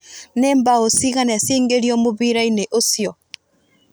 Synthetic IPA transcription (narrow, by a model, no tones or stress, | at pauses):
nembaosiɣanɛsiːŋɡeɾijɔmoβiɾaineʔosjɔ